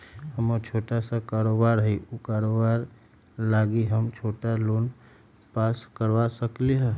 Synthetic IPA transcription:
həmot͡ʃʰoːʈasakaːɾobaːɾɦiukaːɾobaːɾ | laːɡiɦəmt͡ʃʰoːʈaloːn | paːskəɾʋasəkliɦɛ

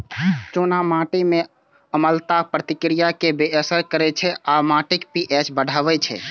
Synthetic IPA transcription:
t͡ʃonamãʈimẽ | əməlt̪apɾət̪ikɾijakebeəsəɾkəɾɛt͡ʃʰɛʔamãʈikpiʔɛt͡ʃbəɽ̤ʱaʋɛt͡ʃʰɛ̰

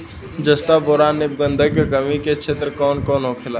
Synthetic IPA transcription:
d͡ʒəst̪abɔːɾaːnːɪb̚ɡə̃nd̪ʱəkekəmiket͡ʃʰeːt̪ɾəkɔːnkɔːnɦoːkʰɪla

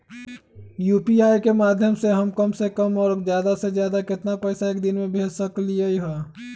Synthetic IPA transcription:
juːpiaːjkemaːd̪ʱjəmseɦɐmkəmsekəmɔːɾzjaːd̪asezjaːd̪akɪt̪napɛːsaeːk̚d̪ɪnmẽbʱeːd͡ʒsəklieiɦaː

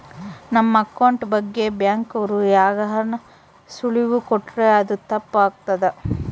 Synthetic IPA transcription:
nɐmːɐɐkɐwɳʈbɐɡːe̞bjaːŋkɐʋɐɾujaːɡɐɦɐnɐ | suɭiʋukoʈːɾeɐd̪ut̪ɐpːaːɡ̚t̪ɐd̪e

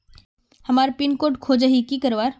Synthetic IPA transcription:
hɐmaːɾpinkoːʈkʰoːd͡ʒəɦikikəɾʋaːɾ

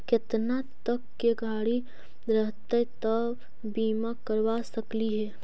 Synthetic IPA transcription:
kɪt̪nat̪əkːeɡʱaːɽi | ɾəɦt̪et̪ə | biːmakəɾʋasɐkliɦɛː

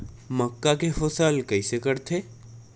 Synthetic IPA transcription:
məkːakeɦosəlkəɪsekəɾt̪ʰe

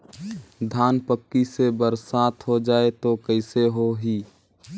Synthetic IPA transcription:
d̪ʱaːnpəkːisebəɾsaːt̪ɦod͡ʒaːet̪okəɪseɦoɦiː

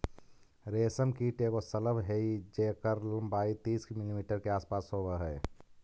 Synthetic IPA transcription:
ɾeːsəmkiʈeːkosələbɦeid͡ʒeːkəɾləmbaːit̪iːskimilimiːʈəɾkeaːspaːsoːbəɦɛː

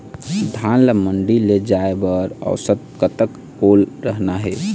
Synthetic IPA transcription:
d̪ʱanləməɳɖiled͡ʒaebəɾə̰ʊsət̪̚kət̪ək | olɾəɦnaɦɛ

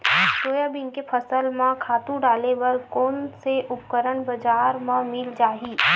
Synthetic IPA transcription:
ʃoːjabɪ̃ŋkepʰəsəlmãkʰaːt̪ũɖaːlebəlkɔːnseʔʊp̚kəɾəɳbɐd͡ʒaːɾmãmɪld͡ʒaːɦiː

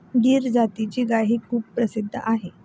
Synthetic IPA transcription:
ɖiːɾd͡zat̪it͡ɕiːɡaɦiːkʰuːbpɾəsid̪ʱːə̰ʔaɦe

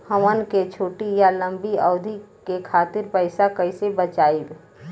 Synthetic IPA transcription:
həmənket͡ʃʰoːʈijalə̃mbiɔʊd̪ʱikekʰaːt̪ɪɾpəɪsakəɪsebət͡ʃaːil

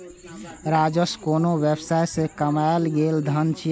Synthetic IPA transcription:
ɾad͡ʒəskonoʋjəbsajsẽkəmaɪlɡeld̪ʱənt͡ʃʰi

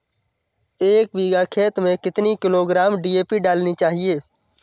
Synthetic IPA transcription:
eːk̚biːɡaːkʰeːt̪mẽkɪt̪nikɪloːɡɾaːmɖiːeːpiɖaːlniːt͡ʃaːɦieː

